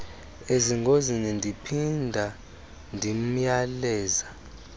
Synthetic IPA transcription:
eziŋɡʱozinɛndʱipʰindʱa | ndʱim̩jalɛːza

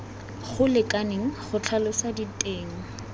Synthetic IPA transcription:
χʊlɪkʼaneŋ̩χʊt͡ɬʰalʊsaditʼeːŋ̩

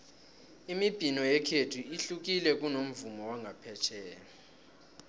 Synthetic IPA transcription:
imib̥ʱinɔjɛkʰetʰuiɬuk̬ilɛk̬ʼunom̩vumɔwaŋɡʱapʰɛt͡ʃʰɛːnɔ

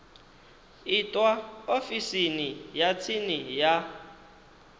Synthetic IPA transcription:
itʼwaofisinijat͡sʰinija

